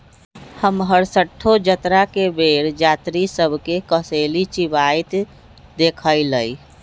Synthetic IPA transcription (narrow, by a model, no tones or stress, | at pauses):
həmɦəɾsəʈʰːod͡ʒət̪ɾakebeːɾd͡ʒaːt̪ɾisəbʱkekəseːlit͡ʃibaːit̪ | d̪eːkʰəiləi